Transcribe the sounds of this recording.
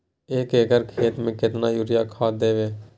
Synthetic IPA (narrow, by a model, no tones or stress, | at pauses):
eːkekəɾkʰeːt̪mẽkɪt̪najʊɾɪjakʰaːd̪eːʋeː